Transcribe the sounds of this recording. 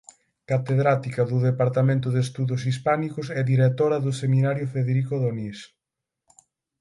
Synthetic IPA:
kat̪eðɾat̪ikɐðʊðepaɾt̪amẽnt̪̬ʊðest̪uðʊs̬ispanikʊsɛðiɾet̪oɾɐðʊsemĩnaɾjʊfeðeɾikoðonis

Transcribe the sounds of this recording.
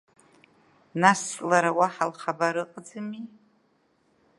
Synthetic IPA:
nasʼlaɾawaħalχabaɾɨqʼd͡zɨmi

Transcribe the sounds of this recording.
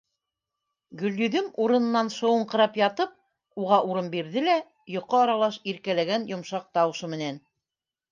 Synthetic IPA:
ɡɵ̆ljɵ̆ðɘmuɾɤ̆nɤ̆nːɑnʃŏwɤɴqɤ̆ɾɑpjɑt̪ɤp̚ | uʁɑʔuɾɤmbiɾðɘlæ | jŏqːɤɑɾɑlˠɑʃiɾkælæɡænjŏmʃɑq̚t̪ɑwɤ̆ʃɤmɘ̆næn

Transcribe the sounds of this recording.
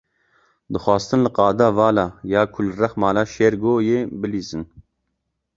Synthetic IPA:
d̪ɨxʷwɑːst̪ɨnlɨqɑːd̪aːvɑːlɑːjɑːkʰʊlrɛxmɑːlaːʃeɾɡoːjeːbɨliːzɨn

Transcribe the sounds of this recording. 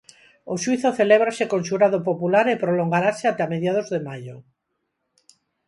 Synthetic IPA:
oʃwiθoθeleβ̞ɾasekonʃuɾaðopopulaɾepɾoloŋɡaɾaseat̪eameðjað̞ozðemaʎo

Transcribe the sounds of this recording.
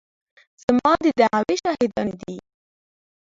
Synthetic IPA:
z̥amɑd̪əd̪aʁaweʃɑhɪd̪ɑnd̪i

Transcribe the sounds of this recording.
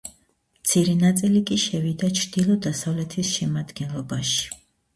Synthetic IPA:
mt̪sʰiɾɛnat̪sʼilikʼiʃɛvid̪at͡ʃʰɾd̪̥ilˠɔd̪asavlɛt̪ʰisʃɛmad̪ɡɛnlˠɔbaʃi̥

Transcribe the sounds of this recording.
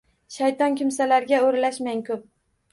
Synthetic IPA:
ʃajt̪ɒnkʲɪmsalaɾɡʲaoɾlaʃmaŋkʲʰɵp̚

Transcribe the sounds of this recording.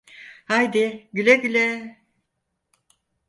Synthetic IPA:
hajd̪ɪɟylʲɛɟylʲɛ

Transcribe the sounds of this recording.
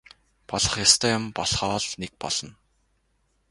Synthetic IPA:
pɔɮə̆χjast̪ʰœːjʊmpɔɮχɔːɮnek̚pɔ̰ɮ̥ɞ̆n

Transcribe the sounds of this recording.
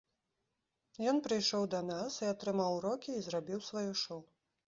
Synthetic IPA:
jɔnpɾɨjʂɔwd̪ɐnasiat̪ɾɨmawɾɔkʲiːzɾabʲiwsvajuʂɔw

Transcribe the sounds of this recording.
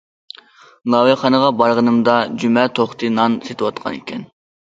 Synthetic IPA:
lˠɑweχɑnəʁɑbɑɾʁənɨmd̪ɑd͡ʒymɛt̪ʰoχt̪ʰɨnɑnset̪ʰɨwɑt̪qʰɑ̰nḛkʲʰɛn

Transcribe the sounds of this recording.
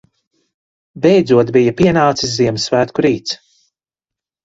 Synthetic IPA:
bɛjd̪zuɔt̪bijɐpiɛnaːt̪sisziɛmsvæːt̪kuɾiːt̪s

